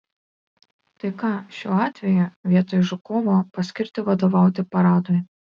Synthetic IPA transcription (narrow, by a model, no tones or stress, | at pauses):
t̪ɐɪkɑːʃʲoːɑːt̪ʲʋʲɛjʊʋʲiɛt̪oːjʒʊkoːʋopɐsʲkʲɪɾʲt̪ʲɪʋɐd̪oːʋɑˑʊt̪ʲɪpɐɾɑːd̪oːj